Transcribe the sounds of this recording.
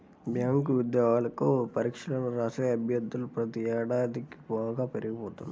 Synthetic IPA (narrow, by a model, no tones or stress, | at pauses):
bʱjaːŋkuʋid̪jɐːɡaːlɐkupɐɾikʂɐlɐnɐɾɐseɐbʱjɐd̪ːulupɾɐt̪iɛːɽaːd̪iki̥baːɡaːpeɾiɡipɔːt̪und̪i